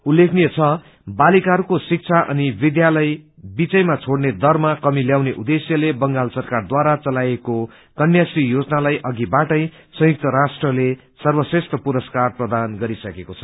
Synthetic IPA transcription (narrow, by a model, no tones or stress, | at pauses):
ulːekʰnijet͡sʰʌ | balikaɦʌɾukosik̚t͡sʰaʔʌ̰nibid̪jalʌj | bit͡sʌjmat͡sʰoɽned̪ʌrmakʌmiljawneʔud̪esjʌlebʌŋɡalsʌrkard̪waɾat͡sʌlajeko | kʌnjasijod͡znalajʔʌɡibaʈʌj | sʌ̃juk̚t̪ʌɾasʈrʌle | sʌrbʌsrest̪ʌpuɾʌskarprʌd̪anɡʌɾisʌkekot͡sʰʌ̥